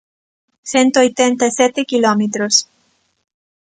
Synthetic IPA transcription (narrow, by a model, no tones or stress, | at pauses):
se̞nto̞jtentaset̪ekilomet̪ɾos